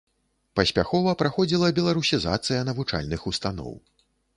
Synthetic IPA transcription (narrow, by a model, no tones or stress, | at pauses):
pɐsʲpʲaxɔvɐpɾaxɔd͡zʲilˠɐbʲɛlˠaɾusʲiza̰t̪sɨjɐnɐvut͡ʂa̰lʲnɨxust̪anɔ̰w